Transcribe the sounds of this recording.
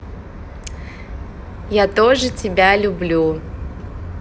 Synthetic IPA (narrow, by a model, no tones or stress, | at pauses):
jat̪oʐɨtʲɪbʲalʲʊblʲu